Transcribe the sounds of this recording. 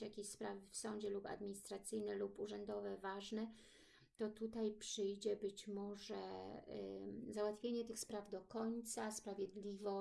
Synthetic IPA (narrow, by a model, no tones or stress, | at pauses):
jakʲeɕspɾavɘfsɔɲd͡ʑɛlupa̰d̪mʲiɲist̪ɾat̪sɘjnɛlupuʐɛnd̪ɔvɛvaʐnɛ | t̪ɔt̪ut̪ajpʂɘjd͡ʑɛbɘt͡ɕmɔʐɛ | zawat̪fʲjeɲɛt̪ɘxspɾavd̪ɔkɔɲt̪saspɾavʲjɛd̪lʲivɔ